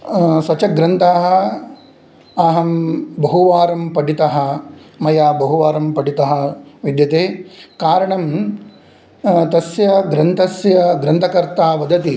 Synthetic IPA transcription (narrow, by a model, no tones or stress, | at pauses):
sɐt͡ʃɐɡɾɐnt̪aːɦɐ̆ | ɐɦɐmbɐɦuʋaːɾɐmpɐɖit̪ɐɦɐ̆mɐjaːbɐɦuʋaːɾɐmpɐɖit̪ɐɦɐ̆ʋid̪jɐt̪eːkaːɾɐɳɐm | t̪ɐsjɐɡɾɐnt̪ʰɐsjɐɡɾɐnt̪ʰɐkɐɾt̪aːʋɐd̪ɐt̪i